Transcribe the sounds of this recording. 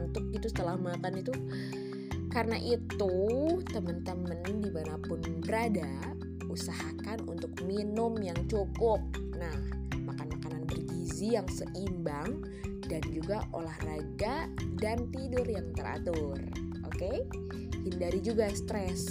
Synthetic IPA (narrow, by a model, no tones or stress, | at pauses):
nt̪ʊk̚it̪usə̥t̪əlahmakanit̪u | kaɾənaʔit̪ut̪əmənt̪əməndimanapʊnbəɾada | usahakanunt̪ʊk̚minʊmjaŋt͡ʃokʊp̚ | nahmakanmakananbərɡizijaŋsəʔimbaŋ | dand͡ʒuɡaʔo̰lahraɡadant̪idʊrjaŋt̪əɾa̰t̪ʊr | ʔo̰ke | hindaɾid͡ʒuɡast̪ɾɛs